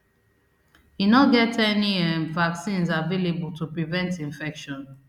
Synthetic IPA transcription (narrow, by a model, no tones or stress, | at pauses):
hinɔɡɛtɛniɛ̃nvaksĩnzavelebultupɹivɛ̃ntĩɱfɛkʃɔ̃n